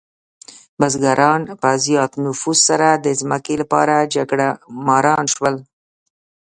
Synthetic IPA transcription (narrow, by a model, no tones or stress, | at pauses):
bazɡaɾʔɑnpəzjɑt̪nʊfuzsaɾad̪əzməkelapɑ̰ɾad͡ʒaɡɽamɑɾɑnʃwəl